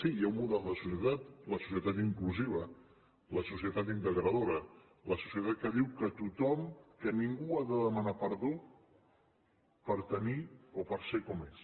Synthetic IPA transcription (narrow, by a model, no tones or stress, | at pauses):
sijaummuðɛlˠd̪əsusjət̪at̪ləsu̥s̬iət̪at̪iŋkluziβ̞ə | ləsusiət̪at̪̬int̪əɣɾəðoɾə | ləsu̥siət̪at̪̚kəðiwkət̪ut̪ɔmkəniŋɡuaðəðəmənapəɾðo | pəɾt̪əniopəɾsekɔmes